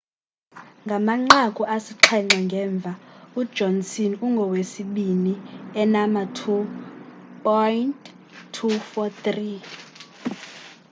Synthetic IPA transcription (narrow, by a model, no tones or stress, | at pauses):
ŋɡʱamaŋ͡ǁakʼuʔasiǃʰɛŋ͡ǀaŋɡʱɛːɱb̪vʱaud̥d͡ʒʱɔnsinuŋɡʱɔwesiɓiniɛnamatʰu | pʼɔjntʰː | ufɔt̪ri